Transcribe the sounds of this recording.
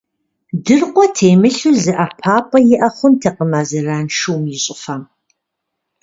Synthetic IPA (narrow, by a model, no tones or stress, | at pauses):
dɨrqʷʼɔtʰeːjmɨɬuzɨʔapʰaːpʰʼɐjɪʔɐχʷʊmtʰɐqəmaːzɨraːnʂɨwmjɪɕʼɪfɐm